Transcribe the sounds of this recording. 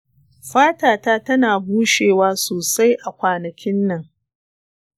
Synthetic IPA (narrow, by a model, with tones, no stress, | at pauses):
ɸaː˦taː˨taː˦tɐ˦naː˨buː˦ʃeː˨waː˦soː˨sa˦jʔa˨kʷaː˨nɐ˨kʲɪ˦nːɐ˨ŋ